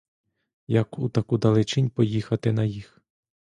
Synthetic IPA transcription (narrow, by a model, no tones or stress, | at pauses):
jɐkut̪ɐkud̪ɐlˠɪt͡ʃɪnʲpɔjixɐt̪ɪnɐjix